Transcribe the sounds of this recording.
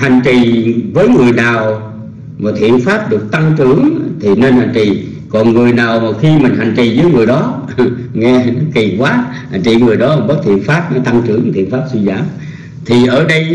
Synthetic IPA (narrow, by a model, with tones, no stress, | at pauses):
ha˨˩ŋ̟t͡ɕi˨˩vəː˨˦jŋɨ˨˩əjnaː˨˩w | ma˨˩t̪ʰḭ˧˨ənfaː˦˥p̚ɗɨ˨˩ək̚t̪a˧ŋt͡ɕɨ˧˩əŋt̪ʰi˨˩ne˧nha˨˩ŋ̟t͡ɕḭ˨ | kɔ˨˩nŋɨ˨˩əjnaː˨˩wmaː˨˩xi˧mï̟˨˩ɦa˨˩jŋ̟t͡ɕḭ˨˩zəː˨˦jŋɨ˨˩əjɗɔ˨˦ | ŋɛ˧nɔ˨˦ki˨˩kwaː˨˦ | ha̰˨˩ŋ̟t͡ɕḭ˧˨ŋɨ˨˩əjɗɔ˨˦a˨˩ɓəː˦˥t̚t̪ʰḭ˧˨ənfaː˦˥p̚nɔ˨˦t̪a˧ŋt͡ɕɨ˧˩əŋ˨˩t̪ʰi˧˨ənfaː˦˥p̚swi˧za̰ː˧˩m | t̪ʰi˨˩ʔəː˧˩ɗə˧j